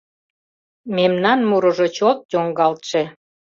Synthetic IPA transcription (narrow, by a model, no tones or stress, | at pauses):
memnɑnmuɾɤ̆ʒot͡ɕot̪̚joŋɡɑlt̪ʃĕ